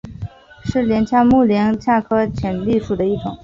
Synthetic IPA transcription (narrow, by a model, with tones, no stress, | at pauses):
ʂɻ̩˥˩ljɛ˧˥nt͡ɕʰja˥mu˥˩ljɛ˧˥nt͡ɕʰja˥˧kʰɤ˥t͡ɕʰjɛ˨˩nli˥˧ʂu˥˩d̪ə˩i˥˩ʈ͡ʂʊ̰˨˩˦ŋ